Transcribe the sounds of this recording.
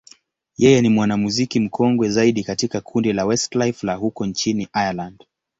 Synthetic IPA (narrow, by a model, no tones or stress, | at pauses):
jɛjɛnimwanamuzikim̩kʰɔŋɡwɛzaiɗikatikakʰundilawɛstlajflahukɔnt͡ʃiniʔajaland̥